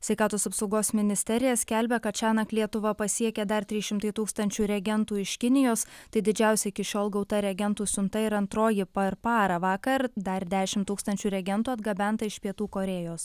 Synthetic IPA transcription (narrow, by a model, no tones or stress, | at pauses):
sʲʋʲɛɪkɑːt̪oːsɐpsɒʊɡoːsmʲɪnʲɪsʲt̪ʲɛɾʲɪjɛsʲkʲælʲbʲɛkɐt̪t͡ʃʲæːnɐklʲiɛt̪ʊʋɐpɐsʲiɛkʲɛd̪ɐɾt̪ʲɾʲiːʃʲɪmt̪ɐɪt̪uːkst̪ɐnʲt͡ʃʲuːɾʲɛɡʲɛnt̪uːɪʃʲkʲɪnʲɪjoːst̪ɐɪd̪ʲɪd͡ʒʲæˑʊsʲɛɪkʲɪʃʲoːlˠɡɒʊt̪ɐɾʲɛɡʲɛnt̪uːsʲʊnt̪ɐɪɾɐnt̪ɾoːjɪpɐɾpɑːɾɐʋɑːkɐɾd̪ɐɾd̪ʲæːʃʲɪmt̪uːkst̪ɐnʲt͡ʃʲuːɾʲɛɡʲɛnt̪uːɐd̪ɡɐbʲɛnt̪ɐɪʃpʲiɛt̪uːkoːɾʲeːjoːs